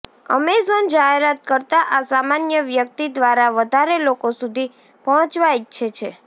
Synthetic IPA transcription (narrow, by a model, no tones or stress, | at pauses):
ə̰mezənd͡ʒaɦeɾat̪̚kəɾt̪aʔasamanjəʋjək̚t̪id̪ʋaɾaʋəd̪ʱaɾelokosud̪ʱi | pəɦə̃t͡ʃʋaitːʃʰet͡ʃʰe